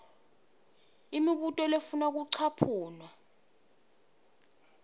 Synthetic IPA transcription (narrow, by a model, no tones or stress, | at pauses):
imiɓutʼɔlefunak̬uǀʰapʰuːnwa